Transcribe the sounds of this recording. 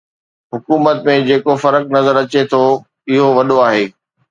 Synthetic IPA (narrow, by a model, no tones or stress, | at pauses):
ɦʊkuːmət̪mẽd͡ʑeːkofɐɾəknɐzəɾɐt͡ɕet̪ʰo | ɪɦoʋɐɗoaːɦeː